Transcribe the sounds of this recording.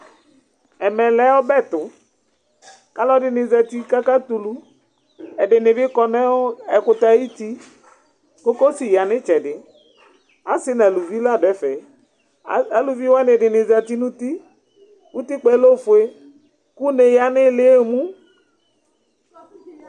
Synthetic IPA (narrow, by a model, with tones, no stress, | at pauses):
ɛ˨mɛ˨lɛ˦wɔ˦bɛ˦˨t̪ʊ˨ | ka˨˦lɔ˦dɪ˨nɪ˨za˨t̪i˦ka˦ka˦t̪u˨lu˦ | ɛ˨dɪ˨nɪ˨vɪ˦kɔ˨nɛ˦ɔ˦ɛ˨kʊ˨t̪a˨˦ji˦t̪i˦ | ko˦ko˦si˨ja˨nɪ˦t͡ʃɛ˨dɪ˨ | a˨˦sɪ˦na˨lu˨vi˦la˦˨dɛ˨˦fɛ˨˦˨ | a˨lu˨vi˦wɔ˦nɪ˨dɪ˨nɪ˨za˨t̪i˦nũ˦t̪i˦ | wu˦t̪i˦k͡pɛ˦lo˦˨fʊ˨e˦ | ku˦ne˨ja˨nɪ˦lɪ˨˦e˦˨mũ˦